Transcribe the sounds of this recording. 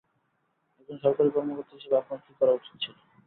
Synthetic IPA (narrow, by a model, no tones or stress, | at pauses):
ekʰonʃɔɾkaɾikɔɾmokoɾt̪ːiɦeʃebeakɾoŋkikɔɾauʈʰi̥t̪ːt͡ɕʰilo